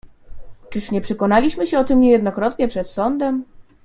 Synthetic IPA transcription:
t͡ʂɘʂɲɛpʂɛkɔnalʲiɕmɘɕɛɔt̪ɘmɲɛjɛd̪nɔkɾɔt̪ɲɛpʂɛt̪sɔnd̪ɛm

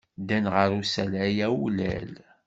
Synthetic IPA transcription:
d̪ænʁəɾusælæjæulæ̰l

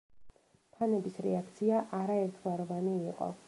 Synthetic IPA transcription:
pʰanɛbisɾɛak̚ʰt̪sʰiaʔaɾaɛɾt̪ʰvaɾɔvaniːqʼɔ̰

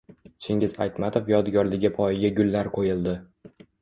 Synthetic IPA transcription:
t͡ʃʰɪŋʲɪza̰jt̪mat̪ʰofjɒd̪ɡʲɒɾlɪɡʲapʰɒjɪɡʲaɡʲʊlːaɾqʰojɪlˠd̪ɪ

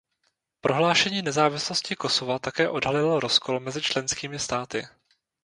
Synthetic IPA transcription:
pɾʔo̞ɦlaːʃɛɲiːnɛzaːvɪsloscɪko̞so̞vat̪akɛːʔo̞dɦalɪloɾo̞sko̞lmɛzɪt͡ʃlɛnskiːmɪst̪aːt̪ɪ̰

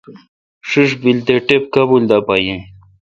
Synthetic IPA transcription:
ʂiʂbilt̪eʈep̚kabuld̪apajẽ

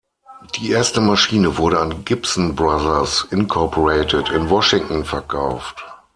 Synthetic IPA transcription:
d̥iːʔeːɐstəmaʃiːnəvʊɐɾəanɡɪpsn̩bʁaðɐsɪnkʰɔɐpʰɔʁeɪtʰətɪnvɔʃɪŋtn̩fɛɐkʰaʊft

